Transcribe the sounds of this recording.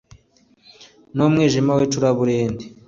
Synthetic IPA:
nomŋiːʒimawet͡ʃuɾaβuɾeːnde

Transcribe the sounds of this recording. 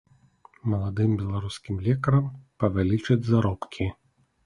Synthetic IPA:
mɐlˠad̪ɨmbʲɛlˠaɾuskʲimlʲɛkɐɾɐmpɐvʲalʲit͡ʂɐd͡zʲzaɾɔpkʲʰi

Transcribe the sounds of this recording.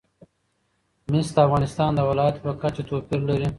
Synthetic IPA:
misd̪əafɣɑnɪst̪ɑːnd̪əwɪlɑjat̪pəkat͡ʃat̪opiɾlaɾi

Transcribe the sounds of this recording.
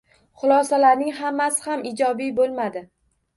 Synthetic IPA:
χʊlˠɒsalaɾnɪŋhamːasɪhamɪd͡ʒɒbibolˠmad̪ɪ

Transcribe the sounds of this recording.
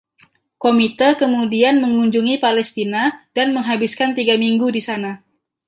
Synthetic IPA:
komit̪əkəmudianməŋuɲd͡ʒuŋipalɛst̪inadanməŋɦabiskant̪iɡamiŋɡudisana

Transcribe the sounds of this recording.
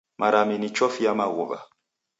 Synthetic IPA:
mʔaɾaminit͡ʃɔfiamaɣoβa̰

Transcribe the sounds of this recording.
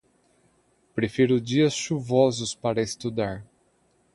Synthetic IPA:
pɾefiɾʊd͡ʒiɐsʃuvɔzʊspaɾɐest̪ud̪aɾ

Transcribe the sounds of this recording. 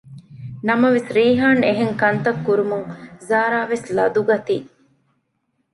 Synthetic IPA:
nɐmɐʋesɾiːɦaːneɦeŋkɐnt̪ɐkːuɾumuŋzaːɾaːʋeslɐ̰d̪uɡɐt̪i

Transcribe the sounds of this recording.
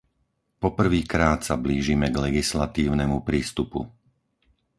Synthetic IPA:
pɔpr̩ʋiːkɾaːt̪sabliːʒimɛɡlɛɡislat̪iːʊnɛmupɾiːst̪upṵ

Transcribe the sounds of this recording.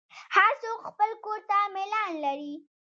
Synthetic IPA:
hasoxpəlkoɾt̪amɪlɑnlaɾi

